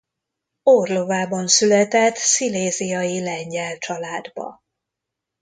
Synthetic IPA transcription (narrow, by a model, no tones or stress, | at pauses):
orlovaːbɒnsylɛt̪ɛt̪sileːzijɒjilɛɲɟɛlt͡ʃɒlaːd̪bɒ̰